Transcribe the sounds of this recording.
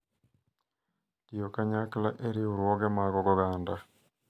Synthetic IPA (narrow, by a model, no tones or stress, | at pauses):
kijokaɲaklaʔeɾiuɾwɔɡɛmaɡɔɡɔɡanda